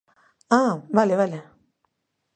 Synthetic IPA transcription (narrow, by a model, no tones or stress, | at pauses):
abaleale